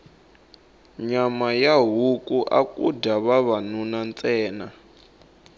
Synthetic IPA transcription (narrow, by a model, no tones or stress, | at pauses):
ɲamajaɦukʼuʔa̰kʼṵdaβaβanunant͡sʼɛːna